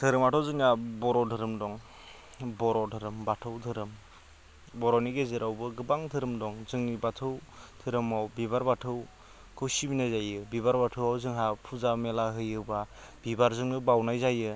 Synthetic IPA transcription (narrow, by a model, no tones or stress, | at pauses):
tʰɯɾɯmatʰɔwzɯŋnabɔɾɔdʱɯɾɯmdɔŋ | bɔɾɔdɯɾɯmbatʰɯwtʰɯɾɯm | bɔɾɔniɡezɯɾawbɯɡɯbaŋtʰɯɾɯmdɔŋzɯŋnibatʰɯwtʰɯɾɯmawbibaɾbatʰɯw | kʰɯwsibinajzajɯbibaɾbatʰɯwawzɯŋɦapʰuzamelaɦɯjɯba | b̥ibaɾzɯŋnɯbawnajzajɯ